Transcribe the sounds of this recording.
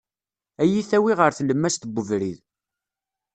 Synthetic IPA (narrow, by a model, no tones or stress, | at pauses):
æjiθæwiʁəɾθləmːæst̪əbːəvɾið